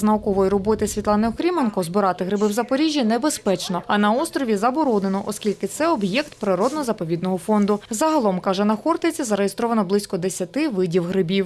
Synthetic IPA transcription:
znɐɔkɔʋɔjiɾɔbɔt̪ɪsʲʋʲit̪ˠɑnɪɔkɾʲimenkɔzbʊɾɑt̪ɪɦɾɪbɪwzɐpɔɾʲiʒʲːinɛbespɛt͡ʃnɔɐnɐɔst̪ɾɔʋʲizɐbɔɾɔnenɔʔɔskʲilʲkɪt̪sɛɔbjɛkt̪̚pɾɪɾɔd̪nɔzɐpɔʋʲid̪nɔɦɔfɔnd̪ʊzɐɦɐlˠɔmkɑʒɛnɐxɔrt̪ɪt͡sʲizɐɾejest̪ɾɔʋɐnɔblˠɪsʲkɔd̪esʲɐt̪ɪʋɪdʲiwɦɾɪbʲiw

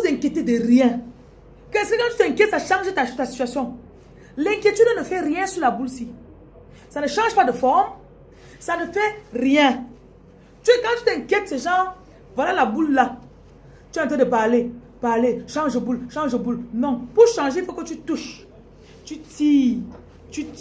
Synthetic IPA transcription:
uzeŋ̩kjetedəʁjɛ̃ | kɛ̃siikãtyteŋ̩kʲjɛtsaʃãʒetastasi̥tɥasjɔ̃ | lɛ̃ŋkʲjetydənəfɛʁjɛ̃sulabulsi | sanəʃãʒpadəfɔm | sanəfɛʁjɛ̃ | tkãtyteŋ̩kʲjɛt̚seʒã | valalabulla | tyantədəbale | b̥aleʃãʒəbulʃãŋʒəbulnɔ̃puʃɑ̃ʒefɛkotytuʃ | tyti | ty

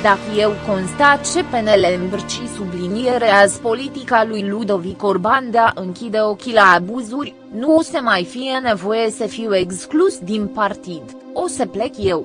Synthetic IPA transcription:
d̪akəje̞wko̞nst̪at̪̚t͡ʃe̞pe̞ne̞le̞mbrt͡ʃisublinieɾeazpo̞lit̪ikalujlud̪o̞viko̞rband̪aʔɨŋkʲid̪eo̞kʲilaːbuzurʲ | nuosemajfije̞ne̞vo̞je̞səfiwe̞ksklusd̪inpart̪id̪ | o̞seple̞kje̞w

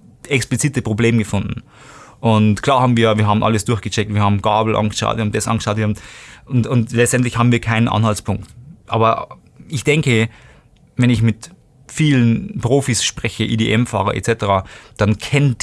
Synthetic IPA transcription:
ɛksplɪt͡siːtəpʁ̥obleːmɡəfʊndn̩ | ʔʊntkʰl̥aːɐhaːbm̩viːɐjaviːɐɦaːbm̩ʔa̰ləsd̥ʊɐçɡ̥ət͡ʃɛk̚tviːɐhaːbm̩ɡ̥aːbl̩ʔa̰nɡəʃa̰ʊtviːhːbm̩dɛsʔɑ̰nɡə̥ʃaʊtviɐhamʔʊntʊntlɛt͡sstɛntlɪçhaːbm̩viːɐkʰaɪnənʔa̰nhalspʰʊŋk̚tʔa̰ːbɐ | ʔɪçd̥ɛŋkə | vɛnɪçmɪt | fiːlənpʁ̥oːfisʃpʁɛçəʔḭːdeːʔɛmfa̰ːʁɐʔɛ̰tt͡sɛtəʁad̥ankʰɛnəd

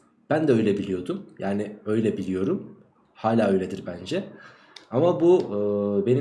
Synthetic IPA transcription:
b̥ænd̪ɛø̞jlʲebilʲijo̞d̪umjʔaːnɪø̞jlʲɛbilʲijo̞ɾum | haːlʲaːø̞jlʲed̪iɾbænd͡ʒɛ | amabu | be̞ni

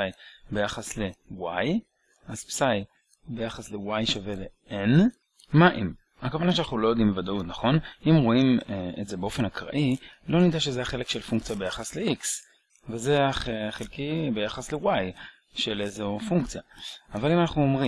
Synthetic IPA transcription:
ajbe̞jaχasle̞waj | azpsaj | bejaχaslewajʃave̞le | en | maʔim | hakavanaʃeanaχnulo̞jod̪imbevadaut̪naχo̞nimʁoimḛtze̞beo̞fe̞nakʁa̰ʔilo̞nid̪aʃezeaχe̞le̞kʃelfuŋk̚t͡sijabejaχasleʔiks | vezeaeχelkibejaχaslewaj | ʃelezofuŋkt͡sijaavalimanaχnuo̞mʁi

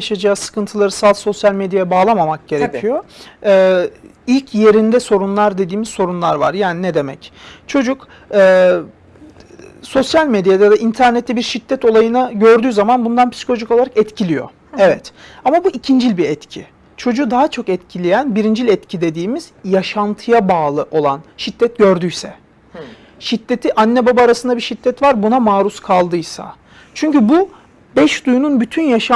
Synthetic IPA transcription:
jaʃad͡ʒaːsɯ̥kʰɯnt̪ʰɯlˠaɾɯsalˠso̞sjalʲmɛd̪jajɛbaːlˠamamak̚ɟe̞ɾecʰijo̞ɛːilʲcʰje̞ɾind̪ɛso̞ɾunlˠaɾd̪e̞d̪iːmizso̞ɾunlˠaɾva̰ɾjaːninɛd̪e̞mɛ̰ct͡ʃʰo̞d͡ʒuk | ɛː | so̞sjalʲmɛd̪jaajad̪aʔint̪ʰæɾnɛt̪ʰːɛbiɾʃid̪ːɛt̪o̞lˠajɯnaɟø̞ɾd̪yːzamanbund̪anpi̥si̥kʰoloʒiko̞lˠaɾakɛt̪cʰilʲijo̰ | ɛvɛt̪amabuʔicʰind͡ʒilʲbiɾɛt̪cʰi | t͡ʃʰo̞d͡ʒuːd̪aɦat͡ʃʰo̞kɛt̪cʰilʲijænbiɾind͡ʒilʲɛt̪cʰid̪e̞d̪iːmiz̥jaʃant̪ʰɯjabaːlˠɯʔo̞lˠanʃit̪ːɛt̪̚ɟøɾd̪yjsɛ | ʃit̪ːe̞t̪ʰiʔanːɛbabaːɾasɯnd̪abiʃit̪ːɛt̪vaɾbunamaːɾuskʰalˠd̪ɯjsa̰ | t͡ʃʰyɲcybu | bɛʃd̪ujununbyt̪ʰynjaʃa

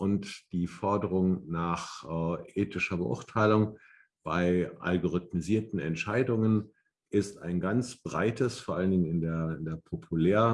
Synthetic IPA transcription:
ʔʊntd̥iːfɔɐdəʁ̞ʊŋnaːχːʔeːtɪʃɐbəʔʊ̰ɐtʰaɪlʊŋ | b̥aɪʔa̰lɡoʁ̞ʏt̚miziːɐtn̩ɛ̰ntʃaɪdʊŋən | ʔɪsta̰ɪnɡant͡sb̥ʁa̰ɪtʰəsfoːɐʔaləndɪɡŋnɪndeːɐɪndeːɐpʰopʰuleːʁə

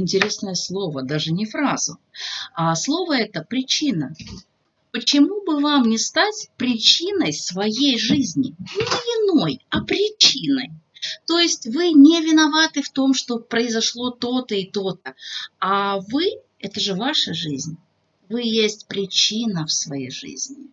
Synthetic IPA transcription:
ɪnʲtʲɪɾʲe̞snəjəslˠo̞vəd̪aʐɨnʲɪfɾazʊaslˠo̞vəɛt̪əpɾʲɪt͡ɕinə | pət͡ɕɪmubɨvamnʲɪst̪atʲpɾʲɪt͡ɕinəjsvɐjejʐɨzʲnʲɪ̰nʲɪɪno̞jɐpɾʲɪt͡ɕinəjt̪o̞jɪsʲtʲvɨnʲɪvʲɪnɐvat̪ɨft̪o̞mʂt̪o̞pɾəɪzɐʂlˠo̞t̪o̞t̪əɪt̪ot̪əavɨ | ɛt̪əʐɨvaʂəʐɨzʲnʲ | vɨjesʲtʲpɾʲɪt͡ɕinəfsvɐjḛjʐɨ̰zʲnʲɪ

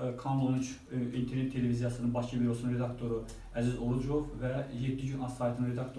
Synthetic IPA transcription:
kʰɑmonit͡ʃ | int̪ʰeɾnʲet̪ʰːelevizijɑsɯnɯnbɑʃcʰibiɾosɯnɯnɾe̞d̪ɑkt̪ʰoɾu | æzizoɾud͡ʒovvæjed̪ːiɟynɑɑjt̪ʰɯnɯnɾed̪ɑkt̪ʰo

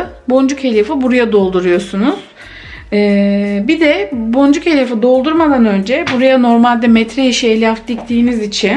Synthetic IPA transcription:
bo̞nd͡ʒuche̞lʲefibuɾajad̪o̞lˠd̪uɾujo̞sunuz̥ | ɛːbid̪ɛbo̞nd͡ʒuche̞lʲefɯd̪o̞lˠd̪uɾmad̪anø̞nd͡ʒɛbuɾajano̞ɾmalʲd̪ɛmɛt̪ɾɛiʃielʲafd̪ict̪ʰiːnizit͡ʃʰin

